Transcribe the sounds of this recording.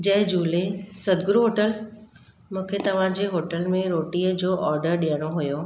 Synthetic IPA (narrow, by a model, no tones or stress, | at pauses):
d͡ʑɐɦd͡ʑuːlesɐd̪ɡʊɾuɦoːʈəl | mũːkʰet̪ɐʋ̤ãd͡ʑeɦoːʈəlmẽɾoːʈiəd͡ʑoːʔɔːɾɖəɾɗĩjəɽ̃oɦujoː